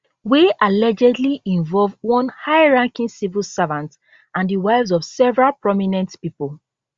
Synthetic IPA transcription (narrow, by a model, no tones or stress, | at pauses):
wiʔalɛd͡ʒɛdliʔĩɱvɔlvwɔ̃nhaɪɹãŋkĩnsivilsavãnts | ãndiwaɪvzɔvsɛvɹalpɹɔminɛ̃ntpipɔl